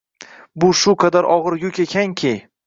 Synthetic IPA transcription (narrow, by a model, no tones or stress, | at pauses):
bʊʃʊqʰɑd̪aɾʔɒʁɨɾjʊkʲekʲʰaŋkʲʰej